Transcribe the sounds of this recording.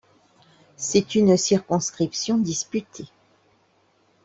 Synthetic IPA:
sɛt̪ynsiʁkɔ̃skχipsjɔ̃d̪ispyt̪ʰe

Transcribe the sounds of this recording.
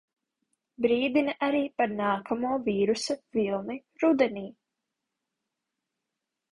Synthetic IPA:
bɾiːd̪inɐʔaɾiːpaɾnaːkʰamuɔviːɾusɐvilˠni | ɾud̪ɛniː

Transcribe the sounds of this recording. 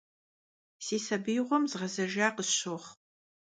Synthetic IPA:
seːsɐbijʁʷɔmzʁɐzɐʒaːqəɕoχ

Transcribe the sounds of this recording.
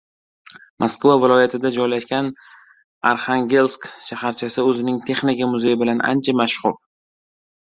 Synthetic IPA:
mʔaskvavɪlˠɒjat̪ʰɪd̪ad͡ʒɒjlaʃkʲan | aɾχaŋɡʲe̞lˠskʃahaɾt͡ʃʰasɪɵzɪnɪŋt̪ʰe̞χnikʲamʊze̞jɪbɪlanʔa̰nt͡ʃʰamaʃhʊɾ

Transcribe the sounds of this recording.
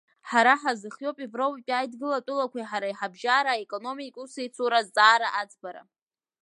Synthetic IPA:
ħaɾaħazɨχjo̞pʼivrowpʼpʼajdɡɨlatʼʊlakʷʰaħaɾajħabʒaɾaekʼo̞no̞mikʼusejt͡sʰuɾazt͡sʼaːɾaʔad͡zbaɾa̰

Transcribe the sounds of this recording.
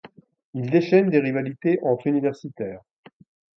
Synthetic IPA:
ild̪eʃɛnd̪eʁivalit̪eʔɑ̃t̪χynivɛʁsit̪ɛːʁ

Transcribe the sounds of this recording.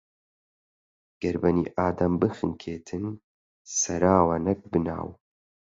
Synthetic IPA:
ɡ̥ɐɾbɐnḭːʔaːd̪ɐmbɨxɨŋkʰeːt̪ʰɨn | sɐɾaːwɐnɐk̚bɨna̰ːw

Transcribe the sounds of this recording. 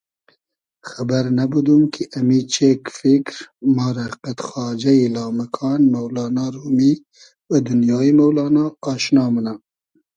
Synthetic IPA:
xabaɾnabud̪umkʰiʔɐmiːt͡ʃʰekfikɾmɑːɾaqat̪xɑːd͡ʒɐilɑːmɐkʰɑːnmɐwlɑːnɑːɾuːmi | wəd̪unjɑːimɐwlɑːnɑːʃnɑːməna

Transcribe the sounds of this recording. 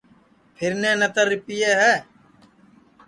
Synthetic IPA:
pʰɪɾneːnət̪əɾːɪpijeːɦɛː

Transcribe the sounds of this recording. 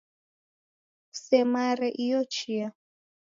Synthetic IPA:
sɛmaɾɛʔijɔt͡ʃʰia

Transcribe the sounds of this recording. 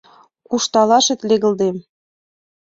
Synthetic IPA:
kuʃt̪ɑlˠɑʃĕt̪lʲeɣɤ̆ld̪em

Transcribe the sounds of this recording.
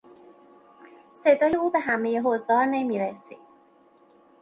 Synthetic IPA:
sed̪ɒːjeuːbe̞ɦæme̞jeɦozɒːɾnemiːɾesid̪̥

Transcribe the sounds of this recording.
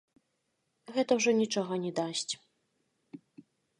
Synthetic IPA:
ɣɛt̪ɐwʐɔnʲit͡ʂɔɣɐnʲɛd̪asʲt͡sʲ

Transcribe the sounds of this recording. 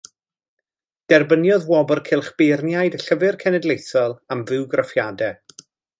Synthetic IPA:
d̥ɛrbənjɔðwɔbɔrkʰɪlˠχb̥ɪrnjajdəɬəvɨrkʰɛnɛdlˠejθɔlˠamvɨwɡrafjadɛ

